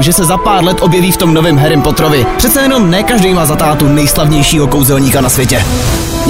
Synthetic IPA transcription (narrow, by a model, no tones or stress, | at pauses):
ʒɛsɛzapaːɾlɛt̪ʔo̞bjɛviːft̪o̞mno̞vɪmɦɛɾɪmpo̞t̪ɾovɪpr̥ɛt̪t͡sɛjɛno̞mnɛːkaʒdɛjmaːzat̪aːt̪unɛjslavɲɛjʃiːɦo̞kowzɛlɲiːkanasvjɛcɛ